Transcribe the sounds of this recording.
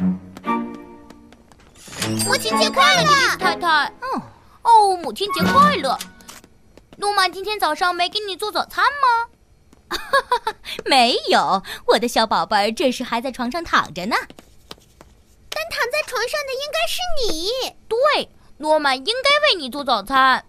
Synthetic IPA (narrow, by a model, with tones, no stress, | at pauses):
nɔ˨˩t͡ɕʰi˥nt͡ɕjɛ˧˥kʰwa˥˩˨ə˥t̪ʰa˥nt̪ʰa˥˩n˩ | o˥˩mu˨˩t͡ɕʰi˥nt͡ɕjɛ˧˥kʰwa˥˩ɪlə˩ | nɔ˧˥ma˧˩t͡ɕi˥nt̪ʰjɛ˥nt͡sɑ˨˩ʊʂɑ˥˩ŋme˧˥ɪkni˨˩t͡swɔ˥˩t͡sɑ˨˩ʊt͡sʰa˥nmɐ˧ | me˧˥ɪjo˨˩˦ʊwɔ˨˩d̪ə˦ɕjɑ˧˥ʊpɑ˨˩ʊpə˧˥ʈ͡ʂɤ˥˧ʂɻ̩˥˩xa˧˥ɪt͡sʈ͡ʂʰwɑ˧˥ŋʂɑ˥˩ŋt̪ʰɑ̰˨˩ŋʈ͡ʂə˦nə˧˩ | t̪a˥˩nt̪ʰɑ˨˩ŋt͡sa˥˩ɪʈ͡ʂʰwɑ˧˥ŋʂɑ˥˩ŋd̪ə˩i˥ŋka˥ɪʂɻ̩˥˩ni˨˩˦t̪we˥˩ɪ | nwɔ˥ma˨˩ni˥ŋka˥ɪwe˥˩ɪni˨˩t͡swɔ˥˩t͡sɑ˨˩ʊt͡sʰa˥n